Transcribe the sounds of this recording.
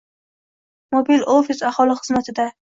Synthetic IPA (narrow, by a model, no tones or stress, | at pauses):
mobilofɪsahɒlˠɪχɨzmat̪ʰɪd̪a